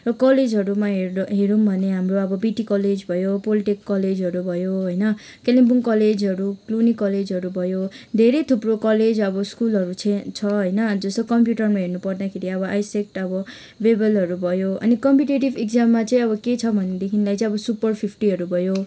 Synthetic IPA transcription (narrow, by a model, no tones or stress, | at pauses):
rʌkʌled͡zɦʌɾumaɦeɦeɾumbʱʌneɦamroʌbʌbiʈikʌled͡zbʱʌjopoliʈikːʌled͡zɦʌɾubʱʌjoɦʌjnʌ | kelimbuŋkʌled͡zɦʌɾuklunikʌled͡zʌɾubʱʌjod̪ʱeɾejt̪ʰuprokʌled͡zʌbʌskulʌɾut͡sʰt͡sʰʌɦʌjnʌd͡zʌst̪okʌmpjuʈʌrmaɦernupʌrd̪akʰeɾiʌβʌʔajsek̚ʈʌbʌ | bebʌlɦʌɾubʱʌjoʌ̰nikʌmpjuʈeʈibekd͡zamːat͡saĩʌbʌket͡sʰʌbʱʌned̪ekʰinlajt͡sĩʌbʌsupʌrpʰipʰʈiɦʌɾubʱʌjo